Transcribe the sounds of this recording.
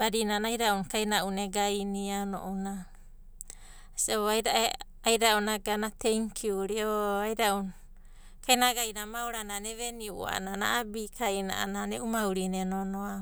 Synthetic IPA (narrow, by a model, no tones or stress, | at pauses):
baɾinanajɾaunkajnaʔuneɡajniano̰ʔuna | siaboajɾa | ajɾaunaɡanatejŋkʰiuɾioajɾaun | kajnaɡajnamawɾananeβeniṵa̰nana̰abikʰajna̰ʔa̰naneʔumauɾinenonoa